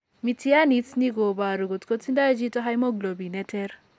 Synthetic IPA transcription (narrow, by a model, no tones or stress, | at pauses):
mitʰijanit͡sniɡobaɾuɡot̪kot͡sʰind̪ad͡ʒit̪oɦajmoɡlobinet̪ʰeɾ